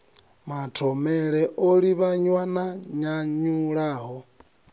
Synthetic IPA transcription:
matʰɔmɛɺɛʔoɺiβaɲwanaɲaɲuɺaːɦɔ

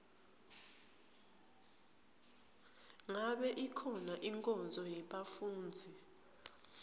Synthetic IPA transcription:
ŋaɓɛʔikʰɔnaʔiŋkʼɔnd͡zʱɔjɛɓafuːnd͡zʱi

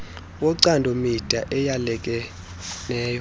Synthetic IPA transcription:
wɔǀandʱomid̥ʱaʔɛjalɛkʼɛ | nɛːjɔ

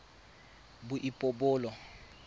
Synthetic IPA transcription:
bʊʔipʼobʊːlɔ

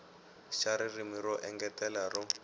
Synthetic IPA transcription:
ʃaɾirimiɾɔʔɛŋɡɛtɛlarɔ

